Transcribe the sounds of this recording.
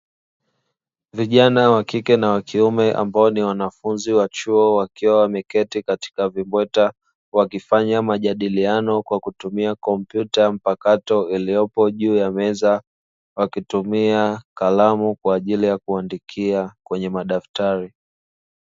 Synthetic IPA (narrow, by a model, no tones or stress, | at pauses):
viʄanawakikɛnawakʰiumɛʔa̰mbaɔniwanafunziwat͡ʃuɔwakiwawamɛkɛtikati̥kavimbwɛta | wakifaɲamaʄaɗilianɔkwakutumiakɔm̩pjutam̩pakatɔilijɔpɔʄuːjamɛza | wakitumiakalamukwaːʄilijakuandikʰiakwɛɲɛmaɗaftaɾi